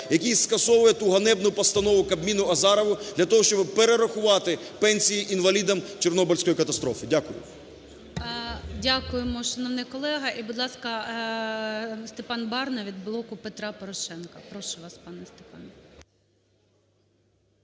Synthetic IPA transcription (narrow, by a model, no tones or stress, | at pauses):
jɐkʲijskɐsɔʋʊjɛt̪uɦɐnɛbnʊpɔst̪ɐnɔʋʊkɐbmʲinʊɐzɑɾɐʋʊd̪lʲɐt̪ɔɦɔʃt͡ʃɔbpeɾeɾɐxʊʋɑt̪ɪpɛnʲsʲijiʔinʋɐlʲid̪ɐmt͡ʃernɔbɔlʲsʲkɔjikɐt̪ɐst̪ɾɔfɪdʲakʊjʊ̰ | dʲakʊjemɔʃɔnɔʋnɪkɔlˠɛɦɐʔibʊd̪lˠɑskɐ | st̪epɑnbɑrnɐʋʲid̪̚blˠɔkʊpet̪ɾɑpɔɾɔʃɛnkɐpɾɔʃʊʋɑspɑnɛst̪epɑnɛ